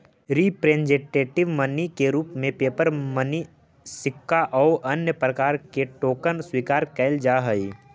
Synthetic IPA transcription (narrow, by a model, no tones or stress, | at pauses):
ɾiːpɾeːnd͡ʒẽʈeːʈɪʋmənikeɾuːpmẽpeːpəɾməni | sɪkːaʔɔːʔɐnjəpɾəkaːɾkeʈoːkənswiːkaːɾkɛɪld͡ʒaɦəi